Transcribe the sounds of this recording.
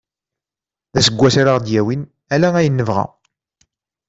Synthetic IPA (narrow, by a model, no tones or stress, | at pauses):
ðæsəɡʷːæsaɾaʁd̪jæwin | ælææjənːəvʁæ̰